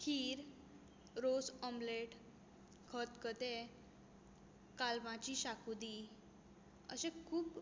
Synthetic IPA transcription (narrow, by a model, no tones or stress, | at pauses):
kʰiːɾ | ɾosɔmbleʈ | kʰət̪kət̪e | kalmat͡ɕiɕakud̪i | əɕẽkʰuːb